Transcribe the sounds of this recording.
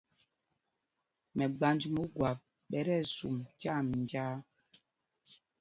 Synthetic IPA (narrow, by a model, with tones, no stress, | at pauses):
mɛ˨ɡ͡ba˦nd͡ʒi˦mu˦ɡwa˨ | ɓɛ˦ɾɛ˦˨sṵ˨mta˦˨m˨nd͡ʒa˦